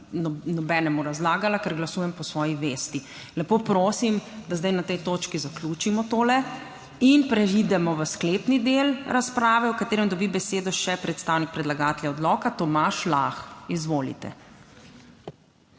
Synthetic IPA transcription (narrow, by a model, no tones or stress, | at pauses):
nɔnɔbɛnɛmuɾazlaːɡalakɛɾɡlasujɛmpɔsʋɔːjiʋeːst̪i | lɛpoːpɾoːsimd̪azd̪ajnat̪ɛjt̪oːt͡ʃkizakluːt͡ʃimɔt̪oːlɛ | inpɾɛid̪ɛmɔʋəskleːpnid̪elɾaspɾaːʋɛwkat̪eːɾɛmd̪ɔbibɛseːd̪ɔʃɛpɾɛt̪st̪aːwnik̚pɾɛd̪laɡaːt̪ɛlʲjaɔd̪lɔːkat̪ɔmaːʃlaxizʋoːlḭt̪ɛ̰